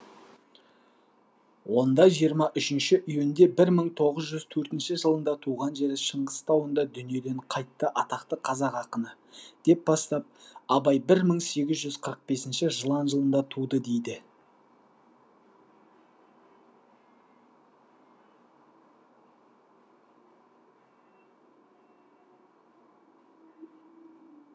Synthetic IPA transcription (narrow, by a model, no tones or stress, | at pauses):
wo̞nd̪ɑʒijəɾmɑʔʏʃɪnʃɪʔʏjend̪e̞bɪɾməɴt̪ʰo̞ʁəzʒʏzt̪ʰɵɾt̪ɪnʃɪʒəlˠənd̪ɑt̪ʰuʁɑnʒe̞ɾɪʃəɴʁəst̪ɑwənd̪ɑd̪ʏnije̞d̪e̞ɴqʰɑjt̪ːəʔɑt̪ɑqt̪əqʰɑzɑqɑqənə | d̪̥e̞p̚bɑst̪ɑp̚ɑbɑjbɪɾməɴse̞ɡʲɪzʒʏzqʰəɾəq̚be̞sɪnʃɪʒəlˠɑnʒəlˠənd̪ɑt̪ʰud̪əd̪e̞jd̪ɪ